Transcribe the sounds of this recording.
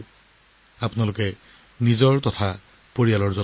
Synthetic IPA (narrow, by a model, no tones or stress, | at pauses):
apʊnalʊkɛ | nizɔɹtɔtʰa | poɹialɔɹzɔ